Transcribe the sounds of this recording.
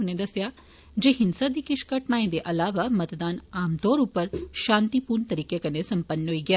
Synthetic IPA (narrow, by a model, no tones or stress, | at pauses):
uned̪ɐsjaː | d͡ʒeːɦɪnsad̪ikɪʃkɐʈɳaːjẽd̪eʔɐlaːʋamɐt̪d̪aːnaːmt̪oːɾupəɾʃãːnt̪ipuːɾɳt̪ɐɾiːkekɐnesɐmpənːɦoːiɡjaː